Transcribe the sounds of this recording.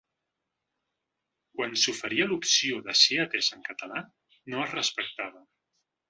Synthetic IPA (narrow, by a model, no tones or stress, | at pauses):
kwansufəɾiəlupsioðəsiət̪ezəŋkət̪əla | noəzrəspək̚t̪aβə